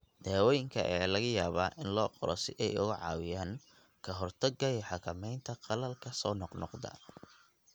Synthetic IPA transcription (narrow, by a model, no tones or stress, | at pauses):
d̪̥aːwɔːjɪŋkʰɐ̰ʔɛːlɐɣɐjaːβaːʔɪnlɔːqɔɾɔ̰sɪʔɛjʊ̰ɣʊʕɑ̰ːwɪjaːŋ | kʰɐɦɔrt̪ʰɐɡɐɛħɑkʰɐmɛjnt̪ʰɐqɑlɐlkʰɐsɔːnɔqnɔqd̪ɐ̰